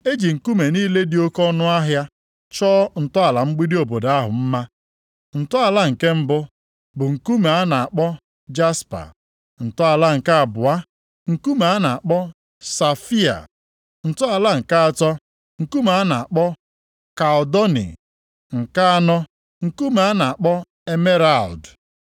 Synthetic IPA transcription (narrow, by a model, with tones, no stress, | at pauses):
e˦d͡ʒi˨ŋ̩˨ku˦me˨niː˦le˦dɪ˨o˦kɔ˦nʊ˦a˦ɦja˦ | t͡ʃɔː˦n̩˨tʊ˦a˨la˨ŋ͡m̩˦ɡ͡bi˦di˦o˨bo˨da˦ɦʊ̰˨m̩˦ma˦ | n̩˨tʊ˦a˨la˦ŋ̩˨ke˦m̩˦bʊ˦ | bʊ˨ŋ̩˨ku˦me˨a˦na˨a˨k͡pɔ˦ | d͡ʒa˦spa̰˨ | n̩˨tʊ˦a˨la˦ŋ̩˨ka˦a˨bʊ˨a˦ | ŋ̩˨ku˦ma˨˦a˦na˨a˨k͡pɔ˦ | sa˨fi˦a̰˨ | n̩˨tʊ˦a˨la˦ŋ̩˨ka˦a˨tɔ˦ | ŋ̩˨ku˦ma˨˦a˦na˨a˨k͡pɔ˦ | ka˨dɔ˦nḭ˨ | ŋ̩˨ka˦a˦nɔ˦ | ŋ̩˨ku˦ma˨a˦na˨a˨k͡pɔ˦ | e˦me˦ɾa˨ld